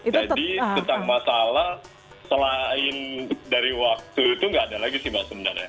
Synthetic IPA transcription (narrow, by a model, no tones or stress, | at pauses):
d͡ʒadisənt̪aŋmasalah | səlaɪndaɾiwak̚t̪uit̪uŋɡaːdalaɡisimasəməna̰ɾja